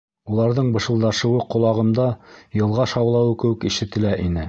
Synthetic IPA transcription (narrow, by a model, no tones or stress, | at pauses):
ulˠɑɾðɤɴbɤ̆ʃɤ̆lˠd̪ɑʃɤ̆wɤqŏlˠɑʁɤ̆md̪ɑjɤ̆lˠʁɑʃɑwlˠɑwɤkɘ̆wɘkiʃɘ̆t̪ɘ̆læʔinɘ